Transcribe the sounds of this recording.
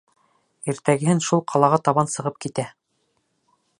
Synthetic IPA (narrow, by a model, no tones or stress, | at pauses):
iɾt̪æɡɘ̆hɘnʃulˠqʰɑlˠɑʁɑt̪ɑβɑnsɤ̆ʁɤp̚kit̪æ